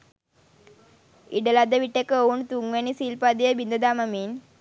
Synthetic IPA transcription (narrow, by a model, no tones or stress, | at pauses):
iɖəlad̪əʋiʈːekəount̪uŋʋenisiːlpad̪ejəbind̪əd̪aːmɐmin